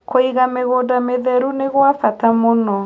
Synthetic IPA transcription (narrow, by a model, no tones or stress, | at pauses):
kʰoiɣameɣoːdameðɛɾuneɣwafatamonɔ